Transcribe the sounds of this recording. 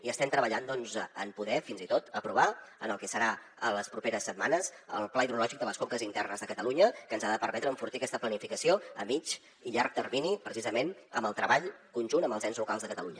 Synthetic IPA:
iəst̪ɛmt̪ɾəβəʎand̪ɔnzəmpuðɛfinzit̪ot̪əpɾuβ̞aənəlˠkɛsəɾa | ələspɾupeɾəsːət̪̚manəzə̰lˠplaiðulɔʒik̚d̪ələskoŋkəzint̪ɛrnəzðəkət̪əluɲəkənzaðəpərmɛt̪ɾəːɱfurt̪iəkɛst̪əplənifikəsioəmit͡ʃ | iʎark̚t̪ərminipɾəsizəmenəmbəlˠt̪ɾəβaʎkunʲʒunəmbəlˠzɛnzlukalˠzðəkət̪əluɲə

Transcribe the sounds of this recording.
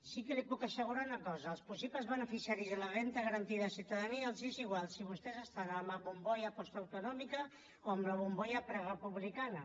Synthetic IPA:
sikelipukasəɣ̞uɾaunɐkɔzaːlˠspusipləzβənəfisijaɾizðəlarent̪əɣəɾant̪iðasjiuwt̪aðaniaːlˠziziɣwalˠsiβust̪ɛzəst̪anamaβumbɔjapɔst̪awt̪unɔmika | oəmlaβumbɔjapɾaɣəpuβlikana

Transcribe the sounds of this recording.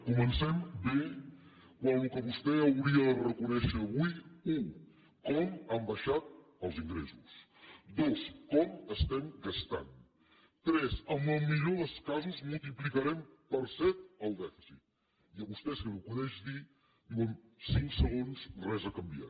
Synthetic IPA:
kumənsɛmbe | kwanukəβust̪ɛəwɾiəðərəkunɛʃəːβujuŋ | kɔmambəʃat̪̚ | əlˠziŋɡɾḛzus | d̪oskɔməst̪ɛmɡəst̪a̰n | t̪ɾɛzəmbəlˠmiʎoðəskazuzmulˠt̪̬iplikəɾɛmpəɾsɛt̪̚əlˠd̪ɛfiz̥it̪̚ | iəβust̪ɛskənukunɛʃði | nomsiŋksəɣonsrɛzəkəmbia̰t

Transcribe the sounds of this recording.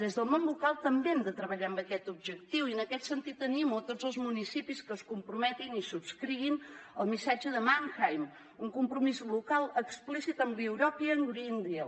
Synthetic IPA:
d̪ezðəlˠmonlukalˠt̪əmbeɛmd̪ət̪ɾəβəʎaəmbəkɛt̪ubʒək̚t̪iwiənəkɛt̪sənt̪it̪ːənimut̪od͡zəlˠzmunisipiskəːskumpɾumɛt̪inisubskɾiβinəlˠmisad͡ʒəðəmaŋxajm | uŋkumpɾumizlukalˠəksplisit̪əmliwɾɔpiəŋɡɾind̪iə

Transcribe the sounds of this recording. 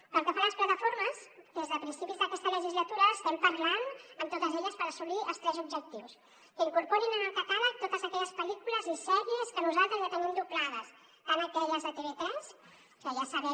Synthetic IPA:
pəlˠkəfanləsplat̪əfoɾməsd̪ezðəpɾinsipizðəkɛst̪ələʒizlət̪uɾəːst̪ɛmpəɾlanəmt̪ot̪əzeʎəspəɾəsuliəlˠst̪ɾɛzubʒək̚t̪iws | kəiŋkuɾpoɾinənəlˠkəkaβət̪ot̪əzəkɛʎəspəlikuləzisɛɾiəskənuzalˠt̪ɾəzjat̪ənimd̪uplað̞əs | kanəkɛʎəzðət̪eβet̪ɾɛs | kəʒasəβɛ

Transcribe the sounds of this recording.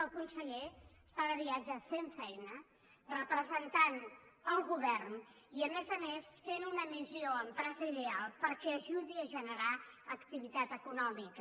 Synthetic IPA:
əlˠkunsəʎe | st̪aðəβiad͡ʒəfeɱfɛjnə | rəpɾəzənt̪anəlˠɣuβɛɾn | iəmezəmesfenunəmizioəmpɾɛzəiðealˠpəɾkɛːʒuðiəʒənəɾa | əkt̪iβit̪at̪əkunɔmikə

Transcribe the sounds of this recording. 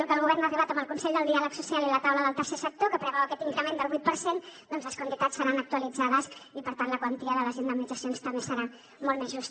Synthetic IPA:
ukəlˠɣuβɛɾnariβ̞at̪əmbəlˠkunsɛʎd̪əlˠd̪ialəksusialilət̪awləðəlˠt̪əɾsesək̚t̪okəpɾəβɛwəkɛt̪iŋkɾəmend̪əlˠβujt̪pəɾsend̪ɔnzləskwənt̪it̪at͡sssəɾanək̚t̪uəlid͡zaðəsipəɾt̪anləkwənt̪iəðələzinəminid͡zəsionst̪əmbesəɾa | mɔlˠmezʒust̪

